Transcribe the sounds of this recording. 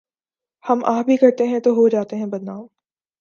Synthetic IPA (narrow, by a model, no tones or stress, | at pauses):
hɐmaːbʱikɐɾt̪eɦɛ̃t̪oɦod͡ʒaːt̪eɦɛ̃bɐd̪naːm